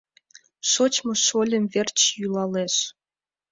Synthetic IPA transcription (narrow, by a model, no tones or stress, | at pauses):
ʃot͡ɕmoʃolʲəmvert͡ɕjylɑleʃ